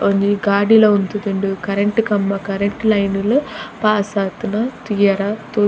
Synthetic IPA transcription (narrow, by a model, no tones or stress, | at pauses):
ond͡ʒiɡaːɖiloːunt̪ud̪uɳɖukɐɾeɳʈkɐmːɐkɐɾeɳʈlɐjnulupaːsaːt̪unɐt̪ijaɾaːt̪uː